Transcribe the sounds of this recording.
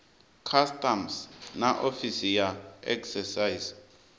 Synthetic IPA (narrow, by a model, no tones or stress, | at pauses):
kʰastamsnaʔofisijaɛ̰ksɛsaiz